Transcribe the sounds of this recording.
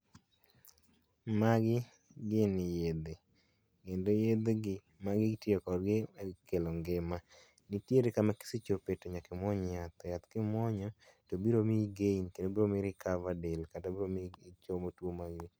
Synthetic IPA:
maɡɪ | ɡɪnɪjed̪e | kendojed̪eɡɪ | maɡɪɡtjekɔrɡɪkeloŋɡɪma | nɪtjeɾekamaki̥sit͡ʃopetoɲakɪmɔɲat̪ɔjat̪kɪmwɔɲɔ | tobiɾomiɡeinkedobiɾomɪɾɪkavadelkatabiɾomit͡ʃomotwomaɡɪ

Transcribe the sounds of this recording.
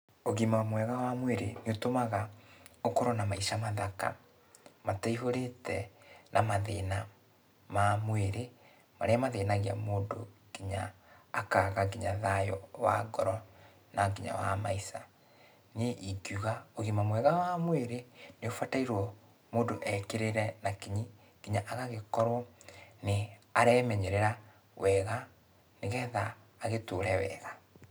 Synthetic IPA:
oɣimamwɛɣawamweɾeneotomaɣaokɔɾɔnamaiʃamaðaka̰ | mataiɦoɾetɛnʔamaðena | mamweɾe | ma̰ɾeamaðeːnaɣia̰moːdoɡ̥iɲaːkaɣaɡiɲaðajɔwa̰ɡɔɾɔ | naɡiɲa̰wamaisa | neʔiɡjuɣaoɣimamwɛɣawamweɾeneofataiɾwɔ | moːndoʔɛkeɾeɾɛnakiɲi | ɡiɲaʔaɣaɣekɔɾwɔneaɾɛmɛɲɛɾeɾa | wɛɣa | neɣɛðaː | ɣetoːɾɛwɛ̰ːɣa

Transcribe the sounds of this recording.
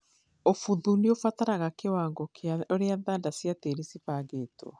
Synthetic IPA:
ofuðuliofataɾaɣakewaːŋɡokʰeaoɾeaðaːndasjateɾisipaɡeto̰

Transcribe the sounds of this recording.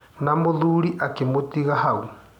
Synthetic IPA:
namoðuɾiʔakemotiɣahau

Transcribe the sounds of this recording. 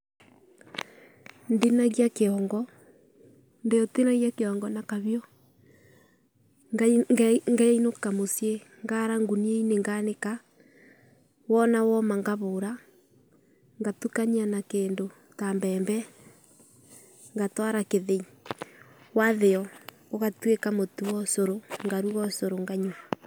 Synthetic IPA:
ndenaɣjakeɔŋɡɔ | ndeɔtenaɣjakeɔŋɡɔnakaβjɔ | ɡŋɡainokamosje | ŋɡaɾaŋɡunieineŋɡaneka | wɔnawɔmaŋɡaβoɾa | ŋɡatukaɲianakeːndo | tambɛːmbɛ | ŋɡatwaɾakeðei | waðeɔ | oɣatwekamotuwɔsoɾoŋɡaɾuɣɔsoɾoŋɡaɲwa

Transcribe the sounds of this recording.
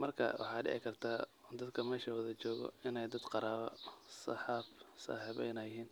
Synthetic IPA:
mɐrkʰɐ̰wʔɑ̰ħɑːɖɪ̰ɛ̰ʕɪ̰kʰɐrt̪ʰaː | d̪ɐd̪kʰɐmɛːʃɐwɐðɐt͡ʃɔːɣɔ̰ɪnɛjd̪ɐd̪qɑɾaːβɐsɑħɑːbsɑ̰ːħiβɛ̰jnɐjɦiːn

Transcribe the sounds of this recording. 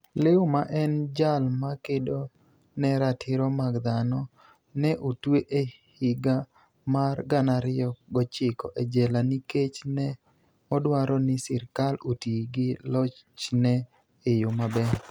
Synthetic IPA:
lɪʊmaʔɛnd͡ʒalmakedo | nɛɾatʰɪɾɔmaɡd̪anɔ | nɛʔotweʔe | hɪɡa | marɡanaɾɪɔɡɔt͡ʃɪkɔ̰ʔɛd͡ʒɛlaniket͡ʃnɛ | ɔdwaɾʔɔnɪsɪɾkalotiɡɪlɔt͡ʃt͡ʃnɛ | ejomabɛ

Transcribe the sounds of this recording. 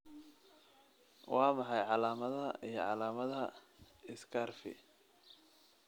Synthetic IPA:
wɑːmɑħɑjʕɑlaːmɐðɐijɞʕɑlaːmɐðɐ | ɪskʰarfɪ̰

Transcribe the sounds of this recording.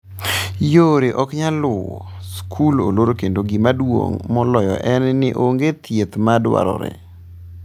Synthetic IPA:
joɾeʔɔkɲalʊ | skʰulo̰loɾokendoɡimadwo̰ŋmɔlɔjɔ̰ʔɛnnɪʔoŋɡet̪jet̪madwa̰ɾɔ̰ɾḛ

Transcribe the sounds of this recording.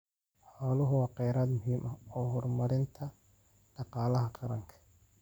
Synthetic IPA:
ħɔːlʊɦʊwɑːqɛjɾaːd̪mʊɦiːmʔɐɔːhɔrmɐɾɪnt̪ʰɐ | ɖɑqɑːlɐɦɐqʰɑɾɐŋkʰɐ̥

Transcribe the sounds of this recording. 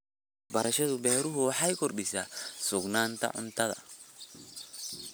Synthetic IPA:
bɐɾɐʃɔðʊbɛːɾʊɦʊwɑħajkʊrɗɪsasʊɡnaːnt̪ʰɐ̰ʕʊ̰nt̪ʰɐðɐ̰

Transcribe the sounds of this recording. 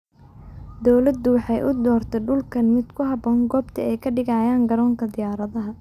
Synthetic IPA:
d̪ɔwlɐd̪ʊwɑħɑjʔʊd̪ɔːrt̪ʰɛɖʊlkʰɐnmɪd̪kʰʊɦɑbɔːŋɡɔːbt̪ʰɐɛjkʰɐɖɪɣaːjaːŋɡɐɾɔːŋkʰɐd̪ɪjaːɾɐðɐɦɐ

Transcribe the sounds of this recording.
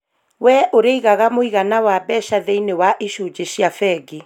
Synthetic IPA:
wɛʔoɾeiɣaɣamoiɣanawabɛɕaðeinewaʔeʃud͡ʑeɕijafɛɡe

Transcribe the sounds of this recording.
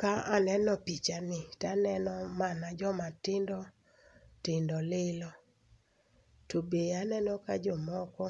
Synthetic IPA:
kaanɛnɔpit͡ʃanɪtanɛnɔmanad͡ʒɔmatɪndɔ | tɪndɔlɪlɔ | tobeanɛnɔkad͡ʒɔmɔkɔ

